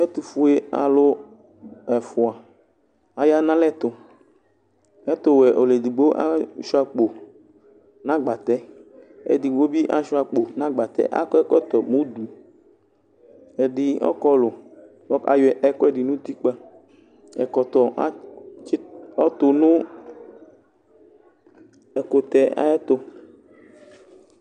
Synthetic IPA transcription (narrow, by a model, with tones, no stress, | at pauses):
ɛ˦t̪u˨fu˦e˦a̰˨lʊ˦ | ɛ˨fʊ˨a˨ | a˨ja˦nã˦lɛ˦t̪ʊ˨ | ɛ˦t̪ʊ˦wɛ˨ʔo˨le˨d̪i˨ɡ͡bo˦ʔa̰˦ʃu˦a˨k͡po˨ | nã˦ɡ͡ba˨t̪ɛ˦ḛ˨d̪i˨ɡ͡bo˦bi˦ʔa˦ʃu˦a˨k͡po˨nã˦ɡ͡ba˨t̪ɛ̰˦ʔa̰˦kɔ˦ɛ˦kɔ˦t̪ɔ˨mũ˦d̪u˨ | e˨ɖi˨ɔ̰˦kɔ˦lʊ˨ | ɔ˦a̰˨jɛ˨ʔɛ˦kɔ˦ɛ˦ɖi˨nũ˦t̪i˦k͡pa˦ | ɛ̰˨kɔ˨t̪ɔ˨a˦ | ɔ˦t̪ʊ˨nũ˦ | ɛ˨ko˨t̪ɛ˨a̰˦ɛ˦t̪o˦